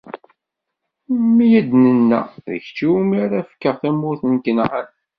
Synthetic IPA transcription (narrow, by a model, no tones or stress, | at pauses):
mijæd̪nənːæ̰ðə̰çt͡ʃːiwumiɾæfkːəʁθæmːʊɾθənkənʁan